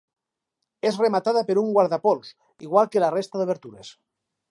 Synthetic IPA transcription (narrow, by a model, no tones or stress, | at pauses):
ezremat̪aðapeɾuŋɡwaɾðapols | iɣ̞walˠkelarest̪aðeβ̞eɾt̪uɾes